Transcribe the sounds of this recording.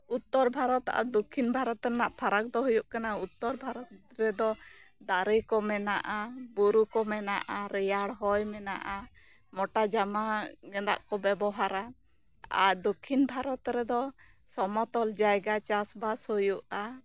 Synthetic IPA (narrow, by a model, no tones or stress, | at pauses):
ut̪ːɔɾbʱaɾɔt̪a̰ɾd̪ukʰinbʱaɾɔt̪ɾɛnaʔpʰaɾak̚d̪ɔɦujuʔkanaut̪ːɔɾbʱaɾɔt̪ɾɛd̪ɔd̪aɾəjkɔmɛnaʔabuɾukɔmɛna̰ʔaɾɛjaɽɦɔjmɛna̰ʔa | mɔʈad͡ʒamaɡɛnd̪a̰ʔkɔbɛbɔɦaɾa | a̰ɾd̪ukʰːinbʱaɾɔt̪ɾɛd̪ɔsɔmɔt̪ɔld͡ʒajɡat͡ʃasbashujuʔa